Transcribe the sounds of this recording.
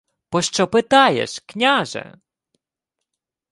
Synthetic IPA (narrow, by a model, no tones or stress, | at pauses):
pɔʃt͡ʃɔpɪt̪ɑjḛʃknʲaʒɛ̰